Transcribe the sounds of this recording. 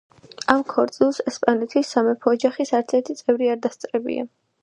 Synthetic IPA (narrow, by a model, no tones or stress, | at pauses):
amkʰɔɾt̪sʼilˠsɛspʼanlɛt̪ʰisːamɛpʰɔːd͡ʒaχisaɾt̪sʰɛɾt̪ʰit̪sʼɛvɾiaɾd̪ast̪sʼɾɛbḭa̰